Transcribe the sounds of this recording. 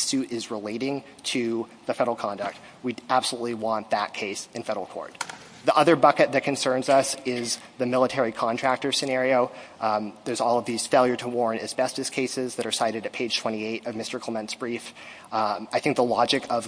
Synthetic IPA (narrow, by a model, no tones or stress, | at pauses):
sʉɾɪzɹəleɪɾɪ̃ŋ | tʰɨ | ðɨfɛɾəl̩ˠkʰɑ̃ndɨk̚t̚ | wiæb̥səlutˡliwɑ̃nðət̚kʰeɪsɨ̃nfɛɾl̩ˠkʰɔ̰ɹt̪̚ | ðiʔʌðə˞bʌkɨt̪̚ðɨt̚kʰɨ̃nsɜ̃˞nzʌsɪz | ðɨmɪlˠətʰɛɹikʰɑ̃ntʰɹ̥æk̚tə˞sɨnɛɹioʊ | ðə˞zɔlˠʌvðiz̥feɪlˠjə˞ɾəwɔɹ̃nɨzbɛstɨz̥kʰeɪsɪzðɨɾə˞saɪɾɨɾɨt̚pʰeɪd̥ʒ̥tʰw̥ɛ̃ɾ̃ieɪɾʌvmɪstə˞kʰl̥ɛmɛ̃nsb̥ɹif | aɪθɪ̃ŋk̚ðəlɑd͡ʒɨkʰʌv